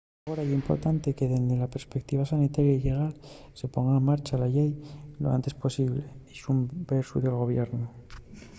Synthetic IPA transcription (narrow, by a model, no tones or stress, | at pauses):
ɣoɾajimpo̞̰ɾt̪ant̪e̞ke̞ðend̪elapeɾspek̚t̪iβ̞asanit̪aɾjaiʎe̞ɣ̞al | se̞po̞ŋɡaemːaɾt͡ʃalaʎejloa̰nt̪e̞spo̞siβleisumbeɾsuðe̞lɣ̞o̞β̞jeɾno